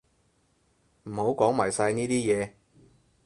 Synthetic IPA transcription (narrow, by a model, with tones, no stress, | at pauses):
m̩˨˩ho˨˥wkʷɔː˨˥ŋma̰ː˨˩jsɐ˧jniː˥t̪iː˥jɛː˨˧